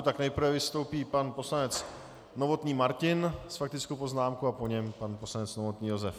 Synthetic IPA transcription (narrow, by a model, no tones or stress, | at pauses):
t̪aknɛjpɾ̩vɛvɪst̪o̞wpiːpanpo̞slanɛt͡s | no̞vo̞t̪ɲiːmaɾcɪnsfakt̪ɪt͡skowpo̞znaːmkuapo̞ɲɛmpanpo̞slanɛt͡snovo̞t̪ɲiːjo̞zɛf